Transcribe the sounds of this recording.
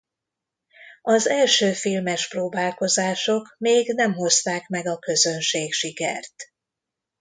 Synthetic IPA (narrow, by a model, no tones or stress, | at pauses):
ɒzɛlʃøːfilmɛʃproːbaːlko̞zaːʃo̞kmeːɡnɛmɦo̞st̪aːkmɛɡɒkø̞zønʃeːkʃikɛ̰rt̪